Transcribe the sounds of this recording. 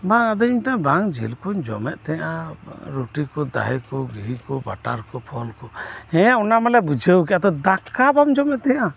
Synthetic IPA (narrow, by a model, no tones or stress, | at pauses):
baŋad̪ɔiɲt̪abaŋd͡ʒḭlkuɲd͡ʒɔ̰mɛt̪̚t̪ɛɲʔãɾoʈikɔd̪a̰ɦɛkɔɡiɦikɔba̰ʈaɾkɔpʰɔlkɔhɛ̃aɔnamãlɛbud͡ʒʱəwk̬ɛat̪ɔd̪akʰabamd͡ʒɔmɛʔ̪̚t̪ɛɲa